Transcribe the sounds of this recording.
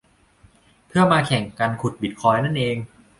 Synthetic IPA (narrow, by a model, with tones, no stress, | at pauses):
pʰɯ˥˩ɐmaː˧kʰɛ˨˩˦ŋka˧nkʰu˧˩t̪̚bi˨˩t̪̚kʰɔː˧jna˥˩nʔeː˧ŋ